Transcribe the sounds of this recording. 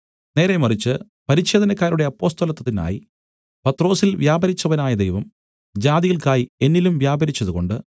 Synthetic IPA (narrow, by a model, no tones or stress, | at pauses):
ne̞ːɾemɐrit͡ɕːɨ | pɐɾiɕe̞ːd̪ɐnɐkːaːɾuɽe̞ɐpːo̞ːst̪ɐlɐt̪ːɐt̪ːina̰ːji | pɐt̪ːro̞ːsilʋjaːbɐɾit͡ɕːɐʋɐnaːjɐd̪ejʋɐm | d͡ʑaːðiɣɐɭkaːjie̞nːilumʋjaːbɐɾit͡ɕːɐðuɣo̞ɳɖɨ